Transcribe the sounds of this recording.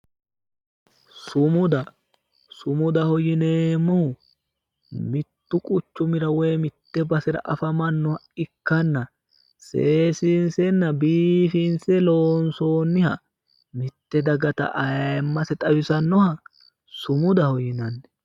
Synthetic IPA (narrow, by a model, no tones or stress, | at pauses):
sʊmʊd̪ɐ | sʊmʊd̪ɐhɔjɪneːmːɔhʊ | mɪt̪ːʊkʼʊt͡ʃːʊmɪɾɐwɛjmɪt̪ːɛbɐsɪɾɐ̰ʔɐfɐmɐnːɔhɐɪkːɐnːɐ | seːsinsɛnːɐbiːfinsɛloːnso̞ːnːɪhɐ̰ | mɪt̪ːɛd̪ɐɡɐt̪ɐ̰ʔɐmːɐsɛt̪ʼɐwɪsɐnːɔhɐ | sʊmʊd̪ɐhɔjɪnɐnːɛ